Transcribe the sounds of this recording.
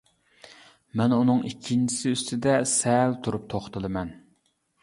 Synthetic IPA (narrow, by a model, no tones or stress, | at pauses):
mɛnunɨŋikʲʰːint͡ʃʰi̥sɪyst̪ɪd̪ɛsɛlt̪ʰuɾup̚t̪ʰoχt̪ɨlˠɨmɛn